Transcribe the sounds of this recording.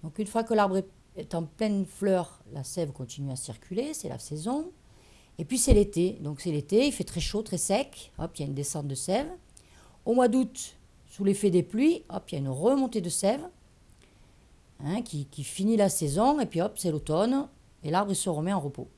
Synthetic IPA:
d̪ɔ̃kynfwakəlaʁbʁɛ | ɛt̪ɑ̃plɛnflœʁlasɛvkɔ̃t̪inyasiʁkʲʰylesɛla̰sɛzɔ̃ | epɥisɛlet̪ed̪ɔ̃ksɛlet̪eilfɛt̪χɛʃot̪χɛsɛkɔ̰piljaynd̪esɑ̃t̪̚d̪əsɛv | omwad̪ut̪ | sulefɛd̪eplɥiɔpiljaynʁəmɔ̃t̪ed̪əsɛv | ɛ̃kʲʰikʲifinilasɛzɔ̃epɥiɔpsɛlot̪ɔn | elaʁbʁilsəʁəmɛɑ̃ʁəpo̰

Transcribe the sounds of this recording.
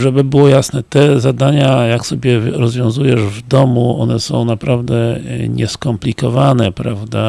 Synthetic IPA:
ʐɛbɘbɘwɔjasnɛt̪ɛzad̪aɲajaksɔbʲjɛɾɔzvʲjɔ̃zujɛʐvd̪ɔmuɔnɛsɔ̰̃w̃napɾavd̪ɛɲɛ̰skɔmplʲikɔvanɛpɾavd̪a

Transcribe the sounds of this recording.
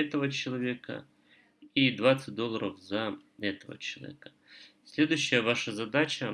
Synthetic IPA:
ɛt̪əvət͡ɕɪlˠɐvʲe̞kə̰ | id̪vat̪sɨt̚ʲd̪olˠːəɾʔəfzɐɛt̪əvə̰t͡ɕɪlˠɐ̰vʲḛkə̥ | sʲlʲe̞d̪ʊɕːɪjəvaʂəzɐd̪at͡ɕə

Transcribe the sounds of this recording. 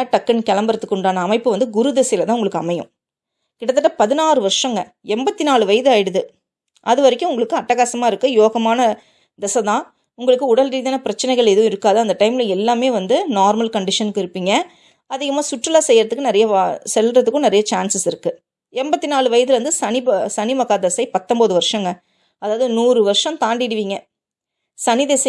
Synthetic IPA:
ʈɐkːɐnkɛlɐmbɐɾɐt̪ːɯkːʊɳɖaːnɐːmɐɪpːɯʋɐnd̪ɯɡʊɾɯd̪ɛsɐjɪlɐt̪ãːʊŋɡɐɭɯkːɯɐmɐjʊ̰̃ | kɪɽɐt̪ːɯʈːɐpɐðɪnaːɾɯʋɐɾʂɐ̃ŋɡɐ | ɛmbɐt̪ːinaːɭɯʋɐjɐðɯaːjɪɽɯðɯ | ʔɐðɯʋɐɾɪkʲːʊ̃ʊŋɡɐɭɯkːɯɐʈːɐɣaːsɐmaːɪɾɯkːɯjoːɣɐmaːnɐ | d̪ɛsɐt̪ãː | ʊŋɡɐɭɯkːɯʊɽɐlɾiːðaːnɐpɪɾɐt͡ʃːɐnɐɪɣɐɭɛðɐʋʊ̃ɪɾɯkːaːðɐɐnd̪ɐʈɐɪmɪlɐɛlːaːmeːʋɐnd̪ɯnaːɾmɐlkɐɳɖɪʂɐnɯkːɯɪɾɯpːiːŋɡɐ | ɐðɪɣɐmaːsʊʈrɪlaːsɛjːɾɐðɯkːɯnɪɾɐjɐsɛlrɐðɯkːʊ̃nɪɾɐjɐt͡ʃaːnsɪsɪɾɯkːɯ | ɛmbɐt̪ːinaːɭɯʋɐjɐðɯlʋɐnd̪ɯsɐnɪbɐsɐnɪmɐɣaːd̪ɛsɐɪpɐt̪ːɔmboːðɯʋɐɾʂɐŋɡɐ | ɐðaːʋðɯnuːrɯʋɐɾʂɐmt̪aːɳɖɪɽɯʋiːŋɡɐ | sɐnɪðɛsɐ

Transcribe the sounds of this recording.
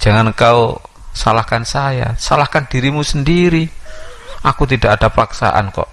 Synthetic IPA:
d͡ʒ̥a̤ŋankau | salahkansaja̰salahkand̥i̤ɾimusəndiɾi | akut̪id̥aʔadapaksa̰ʔa̰nkɔ̰ʔ

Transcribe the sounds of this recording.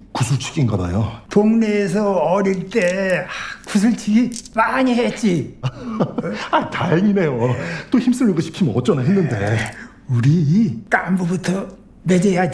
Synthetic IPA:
kusʰut͡ɕʰi̥k͈inɡʌna̰jotoŋneːs̬ʰʌʌɾiɭt͈e̞akʰus̬ʰɯɭt͡ɕʰiɡimaɲiɦet͡ɕ͈i | aitaeŋinejot͈oçims͈ʰɯmɡʌɕʰi̥pʰimnʌt͡ɕ͈ʌnaɦenːɯnde̞ | uɾiːk͈ambubutʰʌ | me̞d͡ʑejad͡ʑ

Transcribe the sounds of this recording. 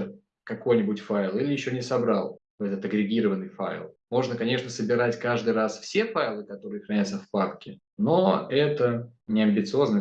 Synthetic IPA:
kɐko̞jnʲɪbʊtʲfajlˠilʲɪjɪɕːo̞nʲɪsɐbɾalˠvɛt̪ət̪ɐɡɾʲɪɡʲiɾəvənːɨjfa̰ɪlˠmo̞ʐnəkɐnʲe̞ʂnəsəbʲɪɾatʲkaʐd̪ɨjɾasfsʲefajlˠɨkɐt̪o̞ɾɨjəxɾɐnʲat̪səfparkʲɪ | no̰ɛt̪ənʲɪɐmʲbʲɪt̪sɨo̞znə

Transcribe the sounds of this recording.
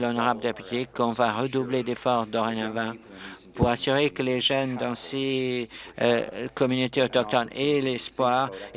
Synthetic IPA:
lɔnɔʁabld̪əepybikːɔ̃vaʁəd̪ubled̪efɔʁd̪ɔʁenavɛ̃ | puʁasyʁekəleʒœnd̪ɑ̃se | kɔmynot̪eɔt̪ɔk̚t̪ɔnelɛspwaʁ

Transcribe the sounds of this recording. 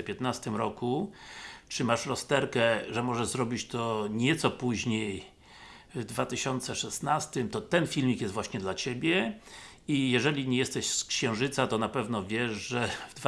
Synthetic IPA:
pʲjɛt̪nast̪ɘmɾɔku | t͡ʂɘmaʂɾɔst̪ɛɾkɛʐɛmɔʐɛzɾɔbʲit͡ɕt̪ɔɲɛt̪sɔpuʑɲej | vd̪vat̪ɘɕɔnt̪sɛʂɛsnast̪ɘmt̪ɔt̪ɛnfʲilmʲikjɛst̪vwaɕɲɛd̪lat͡ɕebʲjɛ | ijɛʐɛlʲiɲɛjɛst̪ɛɕskɕɛ̃w̃ʐɘt̪sat̪ɔnapɛvnɔvʲjɛʂʐɛvd̪v

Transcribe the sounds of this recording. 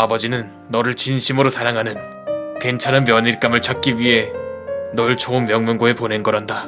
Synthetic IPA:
abʌd͡ʑinɯnːʌɾɯɭt͡ɕinɕʰimɯɾosaɾaŋɦanɯn | ke̞nt͡ɕʰaɾɯnmjʌniɭk͈amɯɭt͡ɕak̚k͈iɥiɦe̞nʌɯɭt͡ɕʰoɯmːjʌŋmɯŋɡoepone̞nɡʌɾɦanda

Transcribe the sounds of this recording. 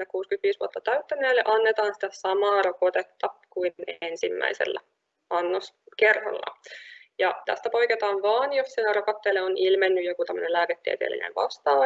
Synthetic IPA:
ekuːskyt̪ʋiːsʋuot̪ːɑt̪æyt̪ːænːeːlːḛʔɑnːet̪ɑːnsi̥t̪æsɑmɑːrokot̪et̪ːɑkuiensimːæ̰isḛlːæ̰ | ɑnːos | kerho̰lːɑ̰jɑt̪æ̰st̪æpo̞jket̪ɑːnʋɑːnjossinærokɑt̪ːeːlːeonilmenːyjokut̪æmːønelæːket̪ːiḛt̪ḛːlḛnæ̰ʋʋɑ̰st̪ɑː

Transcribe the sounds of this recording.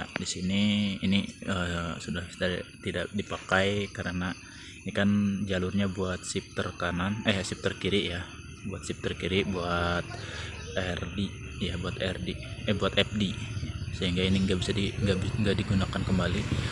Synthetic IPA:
adisiniːniəsudahsudat̪idaʔ̚dipakajkaɾəna | inikand͡ʒalʊrɲabuat̪̚sip̚t̪ərkananəjasip̚t̪ərkiɾɪʔja | buat̪̚sip̚t̪ərkiɾɪʔbuat̪̚ | ɛrdi | jabuat̪ɛrdiɛbuat̪ɛp̚disəɦiŋɡainiŋɡabisadiŋɡabiŋɡadiɡunakankəmbali

